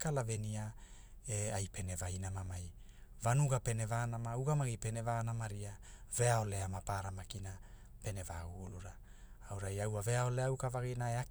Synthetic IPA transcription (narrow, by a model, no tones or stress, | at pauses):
kalavenia | eajpe̞ne̞vajnamamaj | vanuɡape̞ne̞vanamauɡamaɡipe̞ne̞vaːnamaɾiave̞ao̞le̞amapaɾamakina | pe̞ne̞vaɡuːluɾaː | wɾajawave̞ao̞leawkavaɡinaeak